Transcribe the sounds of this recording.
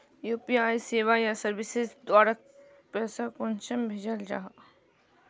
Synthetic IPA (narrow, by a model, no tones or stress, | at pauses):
juːpiaːiseːʋajasɐɾʋɪsɪzd̪waːɾək̚ | pɛːsakʊnʃəmbʱeːd͡ʒəld͡ʒa̰ːɦa